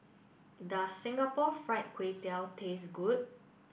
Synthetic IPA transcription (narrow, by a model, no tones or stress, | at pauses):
dəsɪ̃ŋɡapɔfɹaɪt̚kʰwetɛltʰesɡud̚